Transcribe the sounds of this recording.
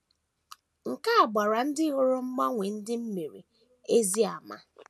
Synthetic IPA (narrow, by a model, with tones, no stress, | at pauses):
ŋ̩˨ka˦a˨ɡ͡ba˨ɾa˨n̩˦dɪ˦ɣo˦ɾo˦ŋ͡m̩˦ɡ͡ba˦ŋʷe˨n̩˦dɪ˦m̩˦mi˨ɾḭ˨ | e˦zi˦a˨ma̰˦